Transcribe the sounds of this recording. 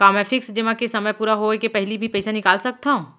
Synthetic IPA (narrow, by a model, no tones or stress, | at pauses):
kaːmɛ̃ːfɪksd͡ʒɪʋãkesɐməjpuːɾaɦoekepɛɦlibʱipɛːsanɪkaːlsɐk̚t̪aɦũː